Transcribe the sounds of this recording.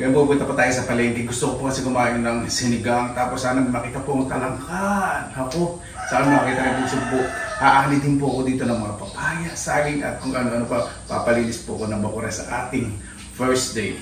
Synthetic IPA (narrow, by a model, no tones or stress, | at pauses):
mɐnbupunt̪ɐpɐt̪aːjosɐpɐlɛŋɡɪɡʊst̪okopokɐsɛkʊmaːjonɐŋsɪnɪɡaŋt̪aːposːaːnɐmɐmɐkiːt̪ɐpoʔɐŋt̪ɐlɐŋkanhɐko̞ | sɐʔanmɐɐkiːt̪ɐkɐjpɐɡsʊɡ̚bʊʔhaʔaːnɪd̪ɪnpoʔɐko̞d̪iːt̪o̞nɐŋmɐŋapɐpaːjɐsaːjɪŋʔɐ̰t̪̚kʊŋʔɐnoʔɐnopɐpa̰pɐliːlɪspʊʔɐko̞nɐŋbɐkuɾɐsɐ̰ʔa̰ːt̪ɪŋ | fɛɹsd̪ej